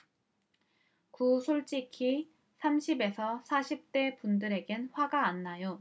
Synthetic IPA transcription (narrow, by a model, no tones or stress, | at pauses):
kusʰoɭt͡ɕ͈ikʰi | sʰamɕʰibe̞sʰʌsʰaɕʰip̚t͈e̞pundɯɾe̞ɡenɸwaɡaːnːajo